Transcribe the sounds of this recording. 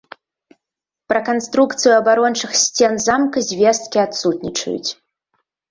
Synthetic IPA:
pɾɐkanst̪ɾukt̪sɨjuɐbaɾɔnt͡ʂɨxsʲt͡sʲɛnzamkɐzʲvʲɛst̪̚kʲiat̪sut̪nʲit͡ʂɐ̰jṵt͡sʲ

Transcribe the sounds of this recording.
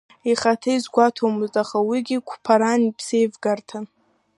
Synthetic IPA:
iχatʰaizɡʷatʰomɨztʼaχawiɡʲikʷʰpʰaɾanipʰse̞jvɡartʰan

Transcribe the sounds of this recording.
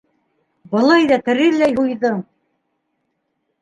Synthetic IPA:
bɤ̆lˠɑjðɑt̪ɘ̆ɾɘlːæjɦujðɤ

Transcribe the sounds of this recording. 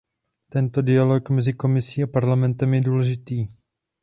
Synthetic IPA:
t̪ɛnt̪o̞dɪalo̞kmɛzɪko̞mɪsiːapaɾlamɛnt̪ɛmjɛduːlɛʒɪt̪iː

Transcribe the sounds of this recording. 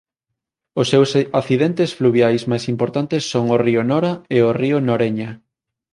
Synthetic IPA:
osːewsaθiðɛnt̪esfluβjajsmajsimpoɾt̪ant̪esːoŋoriʊnɔɾɐeoriʊnoɾeɲɐ

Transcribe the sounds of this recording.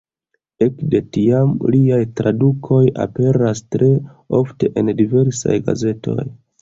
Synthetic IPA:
e̞kde̞tiamliajtɾadukʰo̞ja̰pe̞ɾastɾe̞ | o̞fte̞ʔendive̞ɾsa̰jɡa̰ze̞tʰo̞̰j

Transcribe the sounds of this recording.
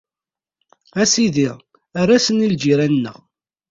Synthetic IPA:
æsiðiʁ | arˤːasənild͡ʒiɾænːə̰ʁ

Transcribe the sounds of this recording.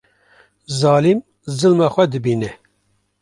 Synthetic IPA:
zɑːlim | zɨlmɑxʷɛd̪ɨbiːnɛ

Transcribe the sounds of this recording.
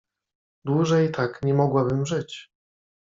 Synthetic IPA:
d̪wuʐɛjt̪ʰakɲɛmɔɡwabɘmʐɘt͡ɕ

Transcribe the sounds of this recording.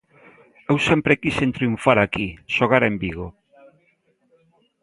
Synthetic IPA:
ewsempɾekisent̪ɾiuɱfaɾakiʃoɣ̞aɾembiɣ̞o

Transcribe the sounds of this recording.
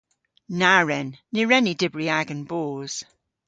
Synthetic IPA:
naɹɛnːɪɹɛnidɪbɹiaɡənboːz̥

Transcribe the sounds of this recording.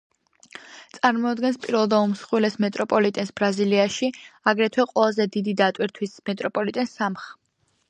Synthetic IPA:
t̪sʼaɾmɔad̪ɡɛnspʼiɾwɛlˠd̪aumsχwilɛsmɛt̪ʼɾɔpʼɔlit̪ʼɛnsbɾaziliaʃiaɡɾɛt̪ʰwɛqʼwɛlˠazɛd̪id̪id̪at̪ʼwiɾt̪ʰwismɛt̪ʼɾɔpʼɔlit̪ʼɛnsamχ

